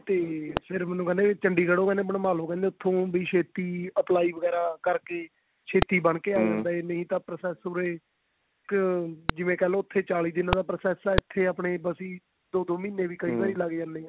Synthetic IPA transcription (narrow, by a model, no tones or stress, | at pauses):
t̪eːpʰɪɾmɛːnũːkɛːnd̪eːt͡ʃəɳɖiːkəɽoːkɛːnd̪eːbəɳmaːloːkɛ̃ːnd̪eʊt̪ʰːõːbiːʃʰeːt̪iːəplaːiːʋəɡɛːɾaːkəɾkeː | ʃʰeːt̪iːbəɳkeːaːd͡ʒãːnd̪aːenəĩːt̪ãːpɾəsɛːsoːɾeː | kd͡ʒɪʋẽːkɛːlõːʊt̪ʰːeːt͡ʃaːliːd̪ɪnːãːd̪aːpɾəsɛːsaːɪt̪ʰːeːaːpɳeːbəsiː | d̪oːd̪oːmiːneːʋiːkəĩːbaːɾiːlaɡd͡ʒãnːeːɛː